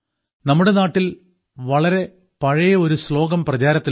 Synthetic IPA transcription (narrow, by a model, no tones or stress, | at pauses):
nɐmːuɽe̞naːʈːil | ʋɐɭɐɾe̞ | pɐɻɐjɐo̞ɾuslo̞ːɡɐmprɐt͡ɕaːɾɐt̪ːi